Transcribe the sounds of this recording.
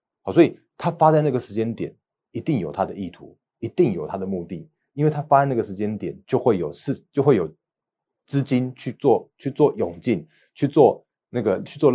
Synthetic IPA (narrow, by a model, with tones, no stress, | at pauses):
xɑ˨˩swɔ˥i˨˩ | t̪ʰa˥fa˥t͡sa˥˧ɪna˥˩ɡə˩ʂɻ̩˧˥t͡ɕjɛ˥nt̪jɛ˨˩˦n | i˧˥t̪i˥˩ŋjo˨˩ʊt̪ʰa˥d̪ə˨i˥˩t̪ʰṵ˧˦ | i˧˥t̪i˥˩ŋjo˨˩ʊt̪ʰa˥d̪ə˨mu˥˧t̪i˥˩ | i˥nwe˥˩ɪt̪ʰa˥fa˥t͡sa˥˧na˥˩ɡə˩ʂɻ̩˧˥t͡ɕjɛ˥nt̪jɛ˨˩nt͡ɕjo˥˧ʊxwe˥˩ɪjo˨˩ʊʂ̩˥˧t͡ɕjo˥˧xwe˥˩jo˨˩ʊ | t͡sɹ̩˥t͡ɕi˦nt͡ɕʰy˥˧t͡swɔ˥˨t͡ɕʰy˥˧t͡swɔ˥˩jʊ˨˩ŋt͡ɕi˥˨n | t͡ɕʰy˥˧t͡swɔ˥˧ | na˥˩ɡə˩t͡ɕʰy˥˧t͡swɔ˥˧